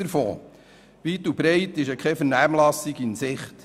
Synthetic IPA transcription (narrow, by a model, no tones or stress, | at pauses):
əɾfo̰ː | ʋitubɾɛɪtɪʃəkʰχɛfəɾnæːmlɑsiɡinsɪχt